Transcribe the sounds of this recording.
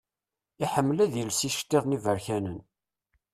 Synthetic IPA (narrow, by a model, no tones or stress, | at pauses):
iħəmːlæðjəlsiʃt̪ːeðˤnivəɾçænən